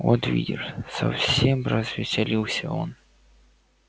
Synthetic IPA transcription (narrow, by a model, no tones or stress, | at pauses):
ot̪vʲḭdʲɪrsɐ̰fsʲemrɐzvʲɪsʲɪlʲilˠsʲəo̰n